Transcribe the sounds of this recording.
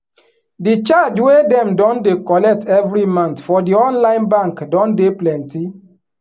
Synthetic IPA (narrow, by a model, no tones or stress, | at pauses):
dit͡ʃad͡ʒwedɛ̃mdɔ̃ndekɔlɛk̚tɛvɾimãnt̪fɔdiɔ̃nlãɪ̃nbãŋkdɔ̃ndeplɛ̃nti